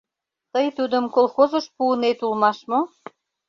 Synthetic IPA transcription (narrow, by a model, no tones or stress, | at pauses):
t̪əjt̪ud̪əmkolˠxozəʃpuːnet̪ulmɑʃmo